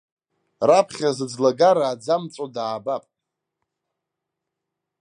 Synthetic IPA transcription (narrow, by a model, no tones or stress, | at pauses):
rapʰχʲazɨd͡zlaɡaɾaːd͡zamt͡sʼodaːbapʼ